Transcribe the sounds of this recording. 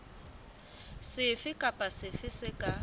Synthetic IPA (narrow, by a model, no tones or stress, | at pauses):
sɪfɪkʼapʼasɪfɪsɪkʼa